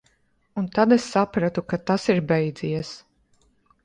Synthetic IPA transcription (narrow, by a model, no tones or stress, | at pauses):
unt̪ad̪esːapɾat̪ukat̪asiɾbɛjd̪zijɛs